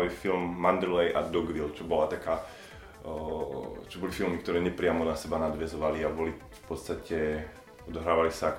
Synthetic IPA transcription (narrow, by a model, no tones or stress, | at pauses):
ʋifilmːand̪ɾlɛjʔa̰d̪ɔɡʋilt͡ʃɔbɔlat̪akaː | t͡ʃɔbɔlifilˠmikt̪ɔɾɛːɲɛpɾɪamɔnasɛbanad̪ʋɛzɔʋaliabɔli | fpɔt̪st̪acɛ | ɔd̪ɔɦɾaːʋalisak